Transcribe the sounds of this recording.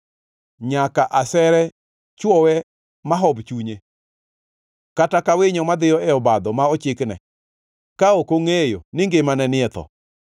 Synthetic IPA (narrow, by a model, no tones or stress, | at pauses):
ɲakaʔasɛɾɛ | t͡ʃwɔwɛ | maɦɔbt͡ʃuɲe | katakawɪɲɔmad̪ɪjɔɛɔbad̪ɔmaɔt͡ʃɪknɛ̰ | kaokoŋejonɪŋɡemanɛnɪɛt̪ɔ̰